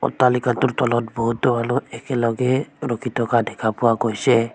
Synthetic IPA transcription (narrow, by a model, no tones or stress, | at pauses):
ɔ̰t̪ːalikat̪uɾt̪ɔlɔt̪̚bɔɦut̪ɔbaluekelɔɡeɾɔkit̪ɔkadɛkʰapuwaɡojse